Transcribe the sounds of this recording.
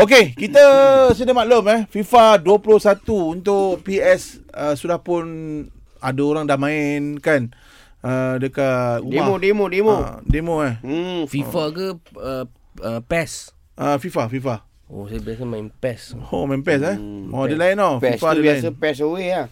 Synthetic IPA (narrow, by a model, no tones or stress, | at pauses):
ok̬ekit̪əsədəmalomɛfifaduəpulohsat̪uːnt̪ʊʔpiɛs | əsudahpʊn | adaoɾaŋdahmãɪnkan | ədəkaudmamodemodemodemoɛhfifakəə | əpɛs | ʔəfifafifa | o̰sabiasamainpɛso̰maɪmpɛs̬ɛmɔdəlainofifadəaɪəpɛs̬owea